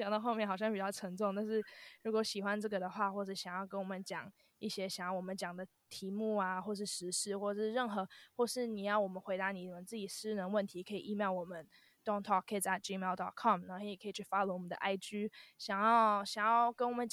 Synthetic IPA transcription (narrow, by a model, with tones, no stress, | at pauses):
t͡ɕɑ˨˩ŋd̪ɑ˥˧ʊxo˥˧ʊmjnxɑ˨˩ʊɕjɑ˥˩ŋpi˨˩t͡ɕjɑ˥˩ʊʈ͡ʂʰə˧˥ŋʈ͡ʂʊ˥˧ŋt̪a˥˧nʂɻ̩˥˩ɻu˧˥kwɔ˧˥ɕi˨˩xwa˦nʈ͡ʂɤ˥˩ɡə˩d̪ə˩xwa˥˧xwɔ˥˧ʂ̩˥˩ɕjɑ˨˩ŋjɑ˥˩ʊkə˦nwɔ˨˩mə˦nt͡ɕjɑ˨˩ŋ | i˥˩ɕjɛ˥ɕjɑ˨˩ŋjɑ˥˩ʊwɔ˨˩mə˦nt͡ɕjɑ˨˩ŋd̪ə˩˦ | t̪ʰi˧˥mu˥˩a˧xwɔ˥˧ʂɻ̩˥˩ʂɻ̩˧˥ʂɻ̩˥˧xwɔ˥˧ʂɻ̩˥˧ɻə˥˨nxɤ˧˥xwɔ˥˧ʂɻ̩˥˩ni˨˩jɑ˥˩ʊwɔ˨˩mə˦nxwe˧˥ɪt̪a˧˥ni˨˩˨mə˨˦nt͡sɹ̩˥˩t͡ɕi˨˩ʂɻ̩˥nə˧˦nwə˥˩nt̪ʰi˧˥kʰɤ˧˥i˨˩i˥˧mjɑ˥˩ʊwɔ˨˩mə˦n | t̪wʊ˥ŋt̪ʰɑ˥˩kʰːə˧˥i˨˩t͡sa˥˧ɪʈ͡ʂi˥me˥˧lt̪ɑ̰˥˨˩kʰɑ˥˩mnə˧˥kʰə˧˥i˨˩kʰə˧˥i˨˩t͡ɕʰy˥˩fa˥lwɔ˨˩ə˦nd̪ə̰˧ʔa˥˩ɪt͡ɕy˥ɕjɑ˨˩ŋjɑ˥˩ʊɕjɑ˨˩ŋjɑ˥˩ʊkə˥nwɔ˨˩mə˦nt͡ɕ